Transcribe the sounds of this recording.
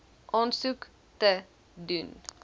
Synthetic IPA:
ʔɔnsʉk | t̪ə | dyn

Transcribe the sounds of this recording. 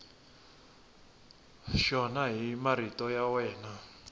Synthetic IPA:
ʃɔnaɦimaɾitɔjawɛːna

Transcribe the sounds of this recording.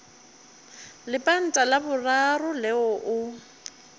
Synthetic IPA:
lɪpʼan̩tʼalabʊrarʊlɛɔʔʊ

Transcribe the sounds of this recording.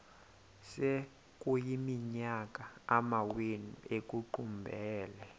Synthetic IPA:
sɛ | k̬ʼujimiɲak̬ʼaamawenuek̬ʼuǃumbʱɛːlɛ

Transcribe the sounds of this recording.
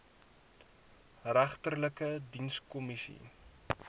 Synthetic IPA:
ræχtərləkədinskɔmisḭ

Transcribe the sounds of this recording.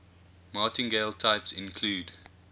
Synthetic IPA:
mɑːˑtɪ̃nɡeɪlˠtʰaɪpsɪ̃nkʰluːd

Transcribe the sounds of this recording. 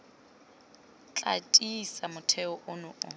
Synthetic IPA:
t͡ɬʼa̰tʼisamʊtʰɛʊʔʊnʊʔʊ

